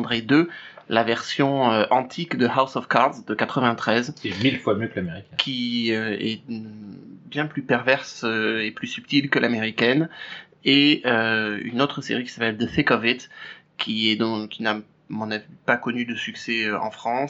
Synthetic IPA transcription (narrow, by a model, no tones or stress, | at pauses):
d̪ʁed̪ølavɛʁsjɔ̃øʔɑ̃t̪ʰikd̪əhawsɔfkaʁd̪zd̪əkat̪χəvɛ̃t̪χɛzemilfwamjøklameʁikkʲʰiøɛ̰ | bjɛ̃plypɛʁvɛʁsøeplysyp̚t̪ilkəlʔameʁikʲɛn | eøy̰not̪χəsḛʁikʲi̥sapɛld̪əfekɔvit̪ | kʲʰiɛd̪ɔ̃kʲina | mɔ̃navipakɔnyd̪əsyksɛøɑ̰̃fχɑ̃s